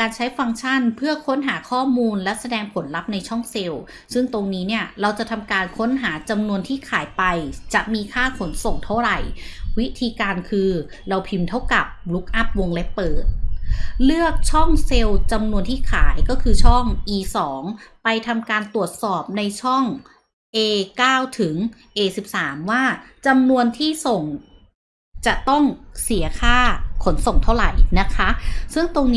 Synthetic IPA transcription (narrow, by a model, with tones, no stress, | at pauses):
kaː˧nt͡ɕʰa˦˥jfa˧ŋt͡ɕʰa˥˩npʰɯ˥˩ɐkʰo˦˥nɦaː˩˦kʰɔː˥˩muː˧nlɛ˦˥sa˧dɛː˧ŋpʰo˨˩˦nla˦˥p̚na˧jt͡ɕʰɔ˥˩ŋse˧w | sɯ˥˩ŋt̪o˧ŋniː˦˥ni˥˩ɐɾa˧wt͡ɕa˨˩t̪ʰa˧mkaː˧nkʰo˦˥nɦaː˩˦t͡ɕa˧mnu˧ənt̪ʰiː˥˩kʰaː˩˦jpa˧jt͡ɕa˨˩ʔmiː˧kʰaː˥˩kʰo˩˦nso˨˩ŋt̪ʰa˦˥˩wɾa˨˩jwi˦˥t̪ʰiː˧kaː˧nkʰɯː˧ | ɾa˧wpʰi˧mt̪ʰa˦˥˩wka˨˩p̚lu˦˥k̚ʔa˦˥p̚wo˧ŋle˦˥pːɤː˨˩t̪̚lɯ˥˩ək̚t͡ɕʰɔ˥˩ŋse˧wt͡ɕa˧mnu˧ənt̪ʰiː˥˩kʰaː˩˦jkɔː˥˩kʰɯː˧t͡ɕʰɔ˥˩ŋʔiː˧sɔː˩˦ŋpa˧jt̪ʰa˧mkaː˧nt̪u˨˩ət̪̚sɔː˨˩p̚na˧jt͡ɕʰɔ˥˩ŋ | ʔeː˧kaː˥˩wt̪ʰɯ˩˦ŋʔeː˧si˨˩p̚saː˩˦mwaː˥˩ | t͡ɕa˧mnu˧ənt̪ʰiː˥˩so˨˩ŋ | t͡ɕa˨˩t̪ɔ˥˩ŋsi˩˦ɐkʰaː˥˩kʰo˩˦nso˨˩ŋt̪ʰa˥˩wɾa˨˩jna˦˥kʰa˦˥sɯ˥˩ŋt̪o˧ŋnː